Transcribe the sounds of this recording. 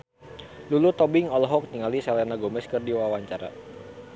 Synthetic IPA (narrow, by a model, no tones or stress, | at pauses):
lulut̪ɔbɪŋɔlɔɦɔk̚niŋalisɛlɛnaɡomɛskɨrdiwawaɲt͡ʃaɾa̰